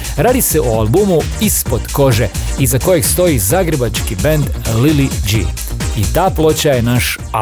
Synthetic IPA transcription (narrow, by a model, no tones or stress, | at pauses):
ɾaːd̪iseʔoalˠbumu | ispo̞d̪ko̞ʒeizako̞je̞ɡst̪o̞jizaɡɾebat͡ʃkibend̪lilid͡ʒḭ | it̪aːplo̞t͡ɕaje̞naʃ | a